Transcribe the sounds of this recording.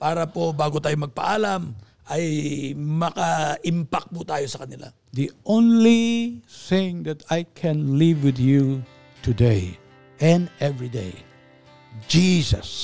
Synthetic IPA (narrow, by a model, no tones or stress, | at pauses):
paːɾɐpo̞baːɡot̪aːjomɐɡ̚pɐ̰ʔaːlɐm | ɐjmɐkaʔɪmpak̚pʊt̪aːjo̞sɐkɐnɪlʔa̰ | ðiõnliθɪ̃ɪ̃ŋd̪ɛt̪ajkʰɛ̃nlivwɪðju | t̪ʰudeɪ | ʔɛ̃nɛvɹidḛɪ | d͡ʒisɐ̰s